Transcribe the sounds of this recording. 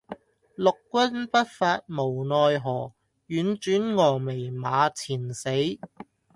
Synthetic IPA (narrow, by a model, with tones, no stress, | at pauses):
lʊ˨kːʷwɐ˥npɐ˥t̚faː˧t̚mo˨˩wnɔː˨˧jɦɔː˨˩ | jyː˨˥nt͡ʃyː˨˥nŋɔː˨˩me˨˩jmaː˨˧t͡sʰiː˨˩nse˨˥j